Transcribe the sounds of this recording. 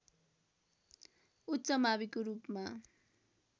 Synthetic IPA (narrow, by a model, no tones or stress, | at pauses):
utːsʌmaβikoɾupma